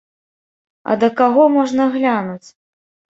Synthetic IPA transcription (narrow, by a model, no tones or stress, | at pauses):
ɐ̰d̪ɐkaɣɔmɔʐnɐɣlʲanut͡sʲ